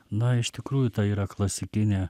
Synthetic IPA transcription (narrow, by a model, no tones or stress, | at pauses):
nɐɪʃt̪ʲɪkɾuːjʊt̪ɐiːɾɐklˠɐsʲɪkʲɪnʲɛ